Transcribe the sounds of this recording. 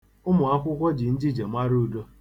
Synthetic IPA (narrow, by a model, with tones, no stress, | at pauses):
ʊ˦mʊ˨a˦kʷʊ˦kʷɔ˦d͡ʒi˨n̩˦d͡ʒɪ˦d͡ʒe˨ma˦ɾu˦˨do˦